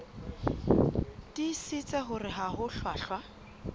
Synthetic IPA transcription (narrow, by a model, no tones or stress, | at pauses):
tisɪt͡sʼɛχʊrɪɦahʊɬwaːɬwa